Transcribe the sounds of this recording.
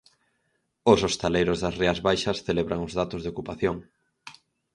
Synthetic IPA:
osost̪elejɾʊzðɐsreazβajʃɐsθeleβɾaŋozðat̪ʊzðeokupaθjoŋ

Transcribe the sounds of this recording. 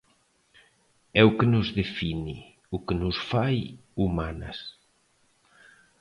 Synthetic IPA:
ɛʊkenʊzðefini | ʊkenʊsfajumanɐ̰s

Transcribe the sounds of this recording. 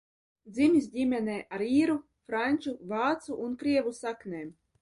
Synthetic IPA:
d̪zimʲis̬ʲdʲimʲɛnʲɛːʔaɾiːɾu | fɾanʲt͡ʃuvɑːt̪suʔːnkɾiɛvusaknʲɛː

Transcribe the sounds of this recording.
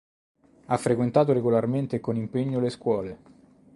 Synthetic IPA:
afːɾekwent̪aːt̪oɾeɡolarment̪ekonimpeɲːoleskwɔːle

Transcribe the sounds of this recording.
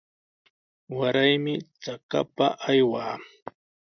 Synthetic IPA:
waɾajmɪt͡saka̰paʔajwaː

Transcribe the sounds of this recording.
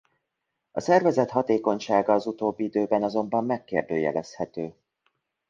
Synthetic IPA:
ɒsɛrvɛzɛt̪hɒt̪eːko̞ɲʃaːɡɒːzut̪oːbːiid̪øːbɛnɒzo̞mbɒmːɛkːeːrd̪øːjɛ̰lɛshɛt̪øː

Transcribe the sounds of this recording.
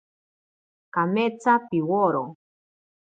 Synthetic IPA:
kamet͡sapiwoɾo

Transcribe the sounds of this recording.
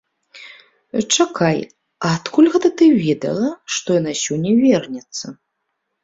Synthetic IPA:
t͡ʂakaj | ɐːt̪kulʲɣɛt̪ɐt̪ɨvʲeɛd̪ɐ̰lˠɐʂt̪ɔjanasʲɔnʲːɐvʲɛrnʲɛt̪sːɐ

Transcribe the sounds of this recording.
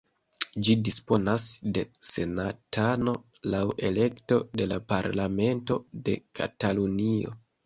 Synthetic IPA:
d͡ʒidispo̞nasde̞se̞natʰano̞ | lawʔe̞le̞kto̞de̞lapaɾlame̞nto̞de̞̰kʰa̰talunio̞̰

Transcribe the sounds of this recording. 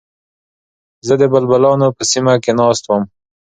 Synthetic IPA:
zəd̪əbalbalɑnopəsimakenɑst̪wəm

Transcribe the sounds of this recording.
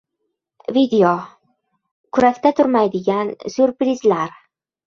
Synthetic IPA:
vid̪eo | kʰʊɾakʲt̪at̪ʰʊɾmajd̪ɪɡʲansʊɾpɾɪzlaɾ

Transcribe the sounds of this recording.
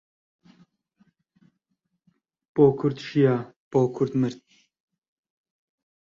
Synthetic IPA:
poːkʰuɾt̪ʃijaːpoːkʰuɾt̪mɨɾt̪̚

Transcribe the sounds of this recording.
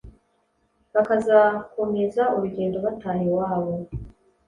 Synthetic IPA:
βakazakumezauɾuɟe̞ːndo̞βataːjewaːβo̞

